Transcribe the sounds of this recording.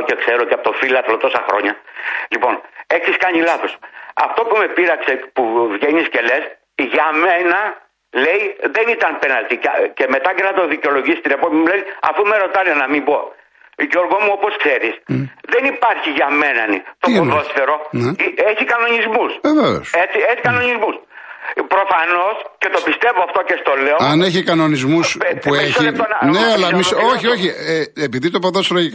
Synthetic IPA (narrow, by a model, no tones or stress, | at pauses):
cekse̞ɾoceɐpot̪ofilɐθlot̪o̞sɐxɾo̞̰ɲɐlipo̞ne̞ksiskɐɲilɐθo̞sɐ̰ft̪o̞pume̞piɾɐksepuvʝeɲisce̞le̞s | ʝɐmenɐ | le̞jðe̞nit̪ɐnpe̞nɐlt̪icce̞me̞t̪ɐcenɐt̪oðiceo̞lo̞ʝisist̪ine̞popiɲimuleniɐ̰fumeɾo̞t̪ɐnenɐmimbo̞ | ʝo̞ɾɣomuo̞po̞skse̞ɾisðe̞nipɐɾçiʝɐme̞nɐ̰nḭt̪ooðo̞sθeɾo̞nieçikɐno̞ɲizmusveveo̰set͡sieçikɐno̞ɲizmus | pɾo̞fɐno̞sce̞t̪o̞pist̪e̞voɐft̪o̞cest̪o̞le̞oɐneçikɐno̞nizmusspueçionɐneɐlɐmiso̞çio̞çieepiðit̪o̞poðoseɾoik